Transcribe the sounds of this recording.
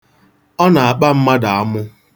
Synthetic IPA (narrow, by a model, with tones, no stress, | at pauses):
ɔ˦na˨a˨k͡pa˦m̩˦ma˦da˨a˦mʊ˦